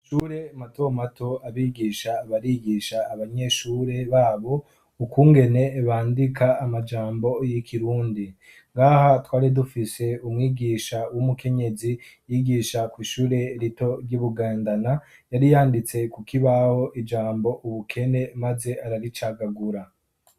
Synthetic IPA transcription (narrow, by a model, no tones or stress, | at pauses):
ʃuːɾe̞matomato̞aβiɡiʃaːβaɾiɡiːʃaːβaɲe̞ʃuːɾe̞βaːβo̞ | ukuːŋɡe̞ne̞βaːndikaːmad͡ʒaːmbo̞jikʰiɾuːndi | ŋɡahatwaːɾidufise̞umŋiːɡiːʃawumuke̞ɲe̞zijiɡiʃakwiːʃuːɾe̞ɾito̞ɾɟuβuɡaːndana | jaɾijaːndit͡se̞kukiβaho̞ʔid͡ʒaːmbo̞ʔuβukʰe̞ne̞maze̞ʔaɾaɾit͡ʃaːɡaɡuɾa